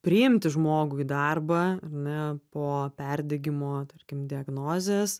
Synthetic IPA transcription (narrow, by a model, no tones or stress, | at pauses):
pʲɾʲɪɪmʲt̪ʲɪʒmoːɡʊid̪ɐrbɐɐrnʲɛpoːpʲɛɾʲd̪ʲɛɡʲɪmoːt̪ɐɾʲkʲɪmd̪ʲɪɐɡnoːzʲeːs